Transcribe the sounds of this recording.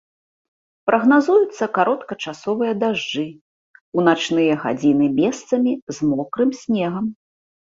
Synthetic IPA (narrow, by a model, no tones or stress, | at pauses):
pɾʔɐɣnazujut̪sːɐkaɾʔɔt̪kɐt͡ʂasɔvɨjɐd̪aʐd͡ʐɨ | unat͡ʂnɨjɐɣa̰d͡zʲinɨmʲɛst̪sɐmʲizmɔkɾɨmsʲnʲɛɣɐm